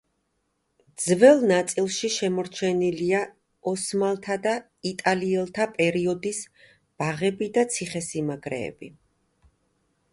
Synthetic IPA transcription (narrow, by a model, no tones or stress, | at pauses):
d̪zvɛlˠnat̪sʼilˠʃiʃɛmɔɾt͡ʃʰɛnilia | ɔsmalˠt̪ʰad̪a | it̪ʼaliɛlˠt̪ʰapʼɛɾiɔd̪is | b̥aʁɛbid̪at̪sʰiχɛsimaɡɾɛ̰ːb̥i